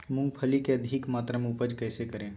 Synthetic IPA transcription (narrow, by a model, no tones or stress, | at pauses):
mʊ̃ŋɡpʰəlikeɐd̪ʱɪkmaːt̪ɾəmupəd͡ʒkɛːsekɐɾẽː